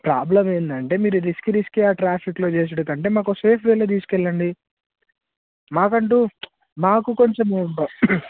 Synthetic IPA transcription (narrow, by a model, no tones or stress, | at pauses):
pɾaːblɐmeːnd̪ɐɳʈe̞ːmiːɾuɾiskɾiskeːaːʈɾaːpʰiklo̞ːt͡ʃe̞ːs̬ɐɽɐkɐɳʈe̞ːmaːkoseːpʰʋeːlɐt̪̬iːsu̥kɛlːɐɳɖi | maːkɐɳʈuː | maːkuko̞ɲt͡ʃemuuɳʈoː